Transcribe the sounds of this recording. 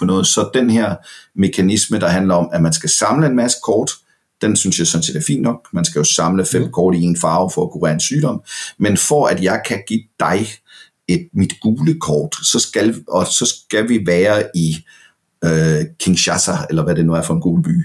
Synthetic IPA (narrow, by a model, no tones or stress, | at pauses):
fɒnɔ̽ːð̩ˠsɒ̽d̥enheɐ̰me̝kʰænisməd̥ɑ̈ɦænlɐɒ̽mæmænsɡ̥æsɑ̈mləe̝nmæsə̥kʰɒːd̥ | d̥ensynsjɑ̈ɪsɒ̽nse̝̰ːd̥æɐfḭnd̥ːnɒ̽ɡ̥mænsɡ̥æjo̝sɑ̈mləfem̰kʰɒːɾ̥ie̝ːnfɑ̈ːʊfɒ̽ækʰuʁḛɐe̝nsyːdɾɒ̽m̰menfɒæd̥jɑ̈ɪkʰæɡ̥ḭːd̥ɑ̈ɪ | e̝d̥mid̥ɡ̥uːləkʰɒːd̥sɒ̽sɡ̥ælɒsɒ̽sɡ̥æʋiʋæːɐi | økʰeŋɕɑsʰæelɐʋæde̝nuæɐfɒ̽e̝nɡ̥uːləb̥y̰ː